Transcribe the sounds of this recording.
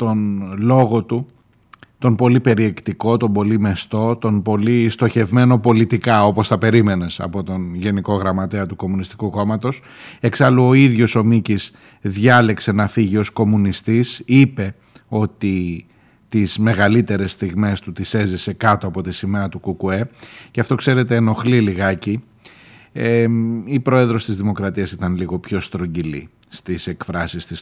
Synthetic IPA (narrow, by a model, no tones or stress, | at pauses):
t̪o̞nlo̞ɣo̞t̪u | t̪o̞npo̞lipe̞ɾie̞kt̪iko̞t̪o̞bo̞lime̞st̪o̞t̪o̞npo̞list̪o̞çe̞vme̞no̞po̞lit̪ikɐo̞po̞st̪ɐpe̞ɾime̞ne̞sɐ̰po̞t̪o̞nʝe̞niko̞ɣɾɐmɐt̪e̞ɐt̪uko̞munist̪i̥kuko̞mɐt̪o̞s | e̞ksɐluoiðʝo̞so̞micis | ðʝɐlekse̞nɐfiʝio̞sko̞munist̪isipe̞ | o̞t̪i | t̪izme̞ɣɐlit̪e̞ɾe̞st̪iɣme̞st̪ut̪ise̞zise̞kɐt̪oɐpo̞t̪isimeɾɐt̪ukukue̞ceɐft̪o̞kse̞ɾe̞t̪e̞ːno̞xliliɣɐci | eipɾo̞e̞ðɾo̞st̪izðimo̞kɾɐt̪iɐsit̪ɐnliɣo̞pço̞st̪ɾo̞ɲɟilḭ | st̪ise̞kfɾɐsist̪is